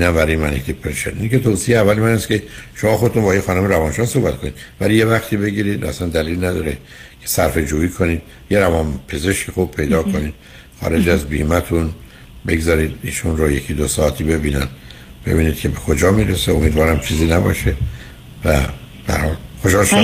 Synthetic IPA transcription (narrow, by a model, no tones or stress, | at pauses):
inæmvæɾijemæneht̪ʰipʰeɾeʃḛɾʔincet̪ʰoːsieævːælemænæskcʰeʃo̞mɒːxod̪et̪unbɒːjexɒːnomeɾævɒːnʃɒːhso̞hbæt̪ko̞nid̪væliːje̞væxt̪ʰiːbe̞ɡiːɾiːd̪vææ̰sænd̪æliːlinæd̪ɒːɾe | kʰe̥sæɾfe̞d͡ʒuːiːkʰo̞niːd̪̥ | je̞ɾævɒnpʰe̞ze̞ʃkʰixub̥̚pʰe̞jd̪ɒːkʰo̞niːd̪̥ | xɒ̰ːɾe̞d͡ʒæzbḭːmæt̪ʰun | beɡzɒːɾiːd̪iːʃunɾoje̞cʰid̪osɒːæt̪ʰiːbe̞biːnænd̪b̥e̞̰biːnid̪̚cʰe̞be̞xo̞d͡ʒɒːmiːɾeseomiːd̪vɒːɾæmt͡ʃʰiːziːnæbɒ̰ʃe | væb̥ehæ̰ɾhɒːlxoʃhɒːlʃ